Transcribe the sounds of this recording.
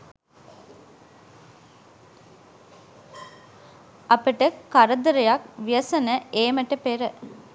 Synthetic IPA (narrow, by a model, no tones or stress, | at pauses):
ɐpəʈəkaɾəd̪əɾəjak̚ʋijəsənəeːməʈəpeɾə